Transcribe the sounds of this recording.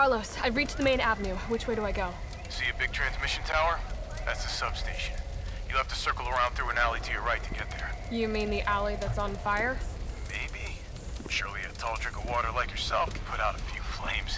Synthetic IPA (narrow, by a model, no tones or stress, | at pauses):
ɑɹloʊsaɪɹit͡ʃðəmẽɪ̃ñævənjʉwɨt͡ʃweɪɾəaɪɡoʊ | siɨbɪɡ̚tʰɹ̥æ̃nzmɪʃɨ̃n̩tʰaʊə˞ðætsɨsʌb̥steɪʃɨ̃n | jɨlɛftʰɨsɜ˞kl̩ˠə˞ãʊ̃nθɹʉɨ̃nælˠitʰɨjəɹaɪtʰɨɡɛt̪̚ðə˞jɨmĩnðiʔælˠiðɨtsn̩faɪə˞meɪbi | ʃʊɹlˠiɨtʰɑlˠdɹɪ̃kʌvwɔɾə˞laɪkjə˞sɛ̰lˠfkʰn̩pʰʊɾaʊɾɨfjʉflḛ̃ɪ̃mz̥